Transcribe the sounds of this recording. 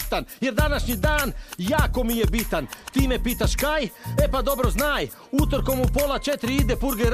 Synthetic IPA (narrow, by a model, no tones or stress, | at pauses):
t̪anjeɾd̪anaʃɲid̪aːnjaːko̞mije̞bit̪ant̪iːme̞piːt̪aʃkajepad̪o̞bɾoznaːj | ut̪oɾko̞mupolˠat͡ʃet̪ɾiid̪epuɾɡeɾ